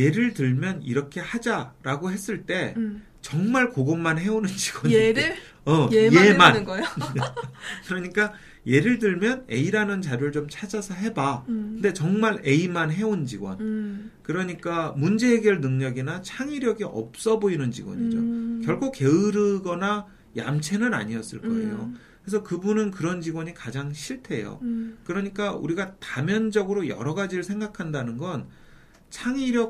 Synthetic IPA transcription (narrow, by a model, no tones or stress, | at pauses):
je̞ɾɯɭtɯɭmjʌnḭɾʌkʰe̞had͡ʑaɾaɡoɦe̞s͈ɯɭt͈e̞ | t͡ɕʌŋmaɭkoɡomːanɦe̞onɯnt͡ɕi̥ɡwʌɲ | ʌjeman | kɯɾʌɲik͈a | je̞ɾɯɭtɯɭmjʌne̞̰iɾanɯnt͡ɕaɾjoɯɭt͡ɕomt͡ɕʰad͡ʑasʰʌɦe̞bakɯnde̞t͡ɕʌŋmaɾe̞imanɦe̞ont͡ɕiɡwʌnkɯɾʌɲik͈amund͡ʑe̞ːɡeɭnɯŋɲʌɡinat͡ɕʰaŋiɾjʌɡiʔʌ̰p̚s͈ʌboinɯnt͡ɕḭɡwʌ̰ɲid͡ʑokjʌɭkʰoke̞ɯɾɯɡʌna | ja̰mt͡ɕʰe̞nɯɾa̰ɲiʌs͈ɯ̰ɭk͈ʌ̰e̞̰jo | ɾesʰʌkɯbunɯnkɯɾʌnd͡ʑiɡwʌɲikad͡ʑaŋɕʰiɭtʰe̞jo̰kɯɾʌɲik͈aṵɾiɡatamjʌnd͡ʑʌɡɯɾojʌ̰ɾʌɡad͡ʑiɾɯɭsʰe̞ŋɡakʰandanɯnɡʌn | t͡ɕʰaŋiɾjʌ